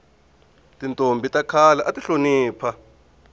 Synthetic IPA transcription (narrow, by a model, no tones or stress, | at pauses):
tʼintʼombʱitʼakʰalaʔatʼiɬoniːpʰa